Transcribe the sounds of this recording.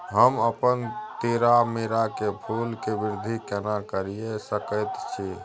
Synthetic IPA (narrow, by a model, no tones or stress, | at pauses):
ɦəməpənt̪eɾameɾakepʰulkebiɾd̪ʱikenakəɾijesəkəjt̪t͡ʃʰi